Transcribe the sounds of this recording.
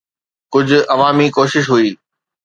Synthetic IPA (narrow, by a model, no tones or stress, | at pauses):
kʊd͡ʑʱʊ̆ɐʋaːmikoːʃɪʃɦuiː